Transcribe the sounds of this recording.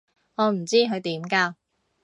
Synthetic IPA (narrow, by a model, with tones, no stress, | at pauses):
ŋɔː˨˧m̩˨˩t͡siː˥kʰɵ˨˧ɥt̪iː˨˥mkaː˧